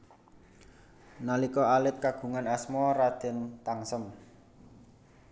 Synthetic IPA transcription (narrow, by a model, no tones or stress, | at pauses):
nalikɔalɪt̪̚kaɡ̥ṳŋanasmɔrad̪̥ɛ̤nt̪aŋsəm